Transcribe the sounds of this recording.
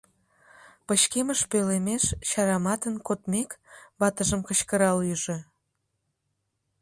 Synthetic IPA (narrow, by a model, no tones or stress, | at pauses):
pəɕkeməʃpølemeʃʃɑɾɑmɑt̪ənkot̪mekβɑt̪əʒəmkəɕkəɾɑlyʒe̽